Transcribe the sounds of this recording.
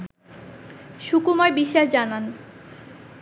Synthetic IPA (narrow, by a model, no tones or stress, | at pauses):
ʃukumaɾbiʃːaʃd͡ʑanan